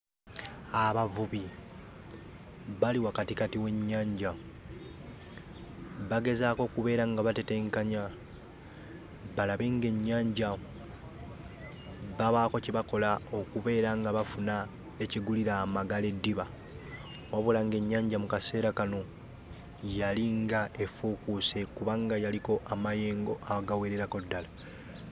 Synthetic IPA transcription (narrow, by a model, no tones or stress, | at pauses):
aβavuβi | βaliwakatikatiwe̞ɲːaːɲɟa | βaɡe̞zaːko̞ːkuβe̞ːɾaŋɡaβateteŋkaɲa | βalaβeŋɡe̞ɲːaːɲɟa | βaβaːko̞ciβako̞lao̞kuβe̞ːɾaŋɡaβafuna | eciɡuliɾaːmaɡale̞dːiβa | waβulaŋɡe̞ɲːaːɲɟamukase̞ːɾakano̞ | jaliŋɡae̞fukusekuβaŋɡajaliko̞ʔamaje̞ːŋɡo̞ʔaɡaweɾeɾako̞dːala